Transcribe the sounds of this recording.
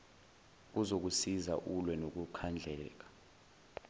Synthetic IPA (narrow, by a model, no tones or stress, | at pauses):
uzok̬usiza̰ʔulwɛnok̬ukʰand͡ɮʱɛːk̬ḁ